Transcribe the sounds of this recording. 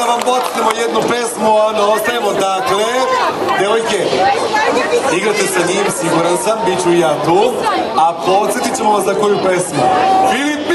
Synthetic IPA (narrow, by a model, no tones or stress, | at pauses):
aʋampot̪et̪emo̞jed̪nupe̞smuanoost̪ajemo̞d̪akle | d̪eʋojke | iɡɾat̪esenijemsiɡuɾansambit͡ɕuijaːt̪uːapo̞t̪sjet̪it͡ɕemoʋaszako̞jupe̞smufilipp